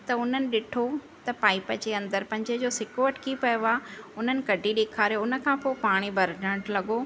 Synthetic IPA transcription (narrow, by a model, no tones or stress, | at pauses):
t̪ɐʊn̤ənɪ̆ɗɪʈʰo | t̪ɐpaːɪpəd͡ʑeɐ̃nd̪əɾpɐ̃ɦɪ̃ɲd͡ʑəd͡ʑoːsɪkoɐʈʰɪ̥kipɐjoaːʊn̤ənɪ̆kɐɖʱiɗeːkʰaːɾijoʊnə̆kʰãpoːɪpaːɽ̃ibʱɐɾɖʱə̃ɽ̃ʈlɐɠo